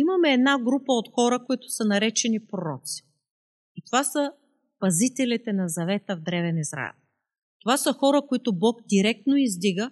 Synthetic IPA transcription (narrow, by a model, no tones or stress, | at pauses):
imɐmɛːd̪naɡɾupəot̪xɔɾəkoit̪ʊ̥sɐnɐɾɛt͡ʃɛnipɾoɾɔt̪si̥ | it̪ovasə | pɐzit̪ɛlit̪ɛnɐzɐvɛt̪əvd̪ɾɛvɛnizɾa̰ɛ̰lˠ | t̪ovasəxɔɾəkoit̪obɔɡd̪iɾɛk̚t̪noizd̪iɡə